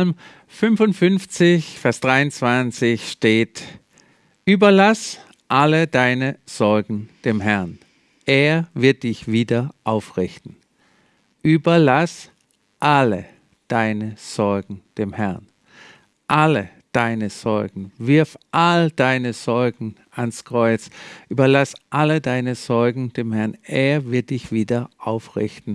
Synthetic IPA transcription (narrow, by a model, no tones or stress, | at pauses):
alm | fʏnfʊntfʏnft͡sɪçfɛɐsd̥ʁaɪʊnt͡sv̥ant͡sɪçʃteːt | ʔyːbɐlas | ʔalədaɪnəz̥ɔɐɡŋ̩d̥eːmɦɛɐn | ʔeːɐvɪɐt̚d̥ɪçv̥iːdɐʔaʊfʁɪçtn̩ | ʔyːbɐlas | ʔalə | d̥aɪnəz̥ɔɐɡŋ̩d̥eːmhɛɐn | ʔalə | d̥aɪnəz̥ɔɐɡŋ̩vɪɐfʔald̥aɪnəz̥ɔɐɡŋ̩ | anskʁ̥ɔʏt͡sʔyːbɐlasʔalədaɪnəz̥ɔɐɡŋ̩d̥eːmhɛɐnʔeːɐvɪɐt̚d̥ɪçv̥iːdɐʔaʊfʁɪ̰çtn̩